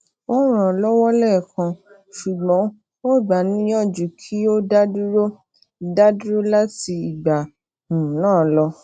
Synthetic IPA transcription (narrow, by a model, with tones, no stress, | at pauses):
o˦ɾ̃ã˨˧lɔ˦wɔ˦lɛ˦˨kʰã˧ | ʃu˨ɡ͡bɔ̃˨˦ | o˦˨ɡ͡ba˨˦nĩ˦jɔ̃˦˨d͡ʒu˨kʰi˦o˦da˦du˦ɾo˦ | da˦du˦ɾo˦la˦ti˧i˨ɡ͡ba˨ | nũ˨˦nãː˦˨lɔ˧